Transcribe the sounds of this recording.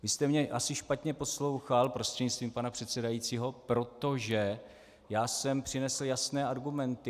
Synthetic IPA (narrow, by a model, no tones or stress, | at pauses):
vɪst̪ɛmɲɛʔasɪʃpat̪ɲɛpo̞slo̞wxalpɾost̪r̥ɛdɲɪt͡st̪viːmpanapr̝̥ɛt̪sɛdajiːt͡siːɦo̞pɾo̞t̪o̞ʒɛ | jaːsɛmpr̝̥ɪnɛsl̩jasnɛːʔaɾɡumɛnt̪ɪ